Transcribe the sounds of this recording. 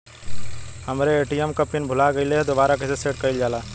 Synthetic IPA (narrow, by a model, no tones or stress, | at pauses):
həmɾeeːʈiɛmkəpɪnbʱʊlaɡəiled̪obaːɾakeseseːʈ̚kəild͡ʒaːlaː